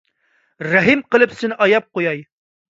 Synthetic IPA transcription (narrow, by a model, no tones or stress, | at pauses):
ɾæɦimqɤ̆lˠɘpsɘnɒjɑp̚qujɑj